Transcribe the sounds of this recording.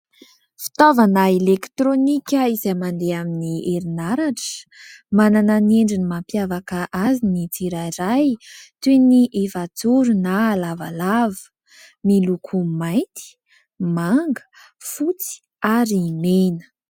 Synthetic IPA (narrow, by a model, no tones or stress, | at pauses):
fi̥t̪ovanaelekt̪ɾonikʲəizajmand̪eaminiʔeɾinaɾaʈ͡ʂə̥manananeɳɖ͡ʐinimampjavakəʔazinit͡siɾaiɾajt̪eniʔevat͡suɾunalava̰lavə̥ | milukʰumajnt̪ʰi̥ | maŋɡə̥ | fut͡si̥ | aɾimenə̥